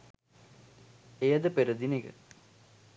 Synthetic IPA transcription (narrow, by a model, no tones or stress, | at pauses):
ejɐd̪əpeɾəd̪iniɡə̰